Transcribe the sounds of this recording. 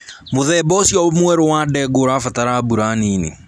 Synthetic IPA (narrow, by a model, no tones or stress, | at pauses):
moðɛbɔsjɔmwɛɾowadɛɡoɾafataɾabuɾaniːnḭ